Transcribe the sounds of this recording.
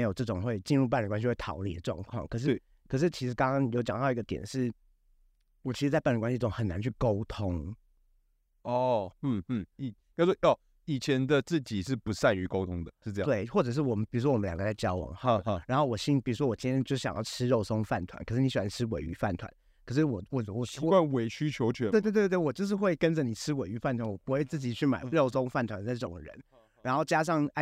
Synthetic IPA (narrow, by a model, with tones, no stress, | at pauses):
jo˨˩ʊʈ͡ʂɤ˥˩ʈ͡ʂʊ˨˩ŋxwe˥˧ɪt͡ɕi˥˧nɻu˥˧p̬a˥˩nɻkwa˥nɕi˧˥wɪt̪ʰɑ̰˧˦ʊ˥nḭ˨˩ə˩ʈ͡ʂwɑ̰˥˧ŋkʰwɑ̰˥˩ŋkʰɤ˨˩ʂ̬ɻ̩˥˩ | kʰɤ˨˩ʂ̬ɻ̩˥˩t͡ɕʰi˧˥ʂɻ̩˧˥kɑ˥ŋkɑ˥ŋjo˧˥ʊt͡ɕjɑ˨ŋt̪ɑ˥˩ʊ˧i˥ɡə˧t̪jɛ˨˩nʂɻ̩˥˩ | wɔ˨˩t͡ɕʰi˧˥ʂ̩ɻt͡sa˥˧pɻə˧˩kwa˥ɕi˧˥˩ʊ˨˧ŋxə˨˩na̰˧˦nt͡ɕʰy˥˩ko˥ʊt̪ʰʊ˥ŋ | ɔ˥˩n̩˥˩˥i˨˩ | jswɔ˥jɑ˥˩ | i˨˩t͡ɕʰjɛ˧˦nd̪ə˧t͡sɹ̩˥˩t͡ɕi˨˩ʂɻ̩˥˩pu˨˦sa˥˩ɪy˧˥ko˥ʊt̪ʰʊ˥ŋd̪ə˨ʂɻ̩˥˧ɤ̃˥˧˥t̪we˥˩ɪxwɔ˥˩ʈ͡ʂɤ˨˩ʂ̬̩˥˩wɔ˨˩mə˦npi˨˩ɻu˥wɔ˥wə˦ljɑ̰˨˩ɡə˧la˥˩ɪt͡ɕjɑ˥ʊwɑ̰˧˦ŋ˥˧ɻa˧˥nxo˥˩ʊwɔ˨˩ɕi˥npi˨˩ɻu˧˥ʂwɔ˥wɔ˨˩t͡ɕĩ˥nt̪ʰɛ˥nt͡ɕo˥˧ʊʂ̩˥˩ɕɑ̰˨jɑ̰˥˩ʊʈ͡ʂʰɻ̩˥ɻo˥˩ʊsʊ˥ŋfa˥˩nt̪ʰwa̰˧˦nkə˨˩ʂɻ̩˥˩i˧˥ɕi˨˩a˦˥ʈ͡ʂʰɻ̩˥wḛ˨˥ɪy̰˧˥fa˥˩nt̪ʰwa̰˧˦n | kʰə˨˩ʂ̬ɻ̩˥˩wɔ˨˩wɔ˥˩˨wɔ˧˩˥a˥˧nwe˧˥ɪɕy˥t͡ɕʰjo˧˥ʊt͡ɕʰɥɛ˧˥˦t̪̬twt̪wwɔ˨˩t͡ɕjʊʂ̬̩˥˧xwe˥˩ɪkə˦˥nd͡zə˨ni˨˩ʈ͡ʂʰɻ̩˥we˨˩ɪy˧˥fa˥˩nt̪ʰwa˧˥nwɔ˨˩pu˧˥xwe˥˧ɪt͡sɹ̩˥˩t͡ɕi˨˩t͡ɕʰy˥˩ma̰˨˩ɪɻo˥˩ʊsʊ˥ŋfa˥˩nt̪ʰwa˧˦nt͡sa˥˧˩ʈ͡ʂʊ̰˨˩ŋ˧ɻə̰˧˦n | ɻa˧˥nxo˥˩ʊt͡ɕja˥ʂ̬ɑ˥˧ŋ˥